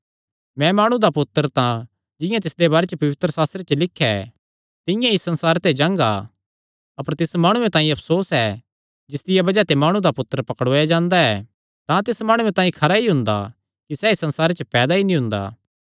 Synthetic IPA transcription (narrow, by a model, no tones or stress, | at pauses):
mɛ̃maːɽ̃ũd̪apʊt̪ːəɾt̪ã | d͡ʒɪ̃jãt̪ɪsd̪ebaːɾet͡ʃəpɐʋɪt̪ɾəsaːst̪ɾet͡ʃəlɪkʰːɛ̰ | t̪ɪ̃jãisɐ̃nsaːɾt̪ed͡ʒãːŋɡa̰ | ɐpəɾt̪ɪsmaːɽ̃uẽt̪ãːĩɐpʰsoːsɛ | d͡ʒɪsd̪ɪjabɐd͡ʒat̪emaːɽ̃ũd̪apʊt̪ːəɾpɐkəɽoːjad͡ʒãːnd̪aɛ̰ | t̪ãt̪̬ɪsmaːɽ̃uẽt̪ãːĩkʰɐɾaiɦʊ̃nd̪a̰ | kisɛisɐ̃nsaːɾet͡ʃəpɛːd̪ainĩɦʊ̃nd̪a̰ː